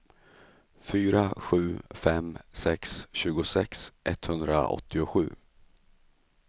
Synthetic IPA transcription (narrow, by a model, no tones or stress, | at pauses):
fyːɾaɧʉ̟ːfɛmsɛksɕʉ̟ːɡʊsɛksʔɛt̪hɵnd̪ɾa̰ɔ̰t̪ʰːɪʊɧʉ̟ː